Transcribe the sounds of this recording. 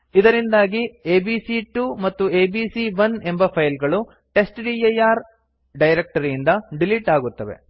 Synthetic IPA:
id̪ɐɾind̪aːɡieːbisiʈumɐt̪ːueːbiːsiʋɐne̞mbɐpʰɐjlɡɐɭu | ʈe̞sʈɖiejaːɾ | ɖɐjɾek̚ʈɐɾijind̪ɐɖiliʈaːɡut̪ːɐʋe̞̰

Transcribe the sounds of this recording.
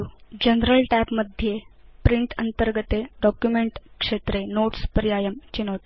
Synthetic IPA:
d͡ʑənɾəlʈæpməd̪ʱjepɾiɳʈənt̪əɾɡət̪eɖɔkjumeɳʈkʂet̪ɾenoʈspəɾijajəmt͡ɕinot̪

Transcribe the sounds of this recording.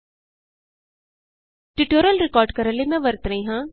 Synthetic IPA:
ʈiʈoːɾəlɾɪkɔːɾɖkəɾəlemɛ̃ʋəɾt̪ɾəĩɦãː

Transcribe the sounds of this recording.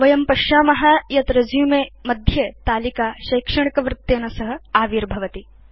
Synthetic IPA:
ʋɐjɐmpɐʃjaːmɐɦajɐt̪ɾɐd͡ʒjumeːmɐd̪ʱjet̪aːlikaːʃɐjkʂɐɳ̃ikɐʋɾɪt̪ːeːnɐsɐɦɐ̆aːʋiːɾbʱɐʋɐt̪i

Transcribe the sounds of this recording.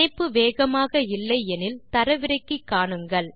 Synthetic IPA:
ɐɪpːɯʋeːɣɐmaːɣɐɪlːɐɪɛnɪlt̪ɐɾɐʋɪɾɐɪkːikːaːɳɯŋɡɐɭ

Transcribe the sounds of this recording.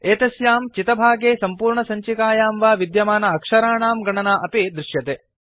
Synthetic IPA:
eːt̪ɐsjaːmt͡ʃit̪ɐbʱaːɡeːsɐmpuːɾɳɐsɐɲt͡ʃikaːjaːmʋaːʋid̪jɐmaːnɐɐkʂɐɾaːɳaːmɡɐɳɐnaːʔɐpid̪ɾɪʃjɐt̪eː

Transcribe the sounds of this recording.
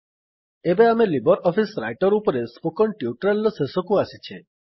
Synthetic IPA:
ebeamelibɔɾɔpʰisɾajʈɔɾupɔɾespokɔɳʈjuʈɾelːɔsesɔkuasit͡ʃʰe

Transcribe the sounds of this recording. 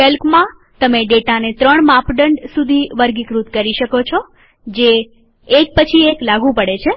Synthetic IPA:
elkmã | t̪əmeɖeʈanet̪ɾəɳmapɖəɳɖsud̪ʱiʋəɾɡikɾut̪kəɾiʃəkot͡ʃʰo | d͡ʒeː | k̚pət͡ʃʰieklaɡũpəɽet͡ʃʰe

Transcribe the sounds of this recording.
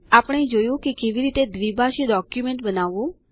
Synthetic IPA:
apəɽ̃ed͡ʒojũkekeʋiɾit̪ed̪ʋibʱaʃeɖɔkjumẽɳʈbənaʋũ

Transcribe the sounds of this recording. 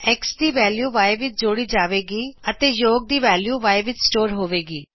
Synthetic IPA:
ɛksd̪iːʋɛːljuːʋaːeʋɪt͡ʃd͡ʒoːɽiːd͡ʒaːʋeːɡiːət̪eːjoːɡ̚d̪iːʋɛːljuːʋaːeʋɪt͡ʃsʈoːɾɦoːʋeːɡiː

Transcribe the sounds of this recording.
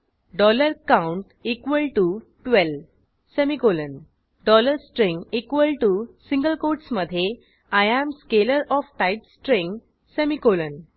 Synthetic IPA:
ɖɔləɾkãuɳʈikʋəlʈu | ʈʋɛl | semikolən | ɖɔləɾsʈɾĩŋɡikʋəlʈusĩŋɡəlkoɾʈsməd̪ʱje | ajæ̃mskeləɾɔfʈajpsʈɾĩŋɡ | semikolən

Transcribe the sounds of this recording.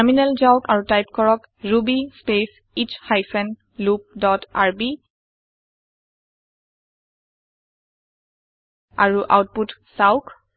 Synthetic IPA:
minɛlzawkaɹutajp̚kɔɹɔk | ɹubispes | it͡ʃhajfɛn | lup̚dɔta̰ɹbi | aɹuʔa̰wt̚putsaʊk

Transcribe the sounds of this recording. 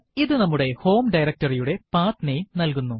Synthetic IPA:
iðɨnɐmːuɽe̞ho̞ːmɖɐjɾɐk̚ʈɐrijuɽe̞paːt̪nejmnɐlk̬unːu

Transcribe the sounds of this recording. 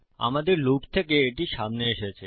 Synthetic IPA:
a̰mad̪eɾlokt̪ʰekeːʈiʃamneeʃet͡ɕʰe

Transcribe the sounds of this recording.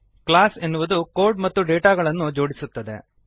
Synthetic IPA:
klaːsenːuʋɐd̪uko̞ːɾɖmɐt̪ːuɖeːʈaːɡɐɭɐnːud͡ʒo̞ːɽisut̪ːɐd̪e̞̰

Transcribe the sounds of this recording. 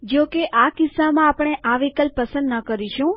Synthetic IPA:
d͡ʒokeʔakɪsːamãːpɳ̃eʔaʋikəlppːəsə̃nd̪nəkəɾiʃũ

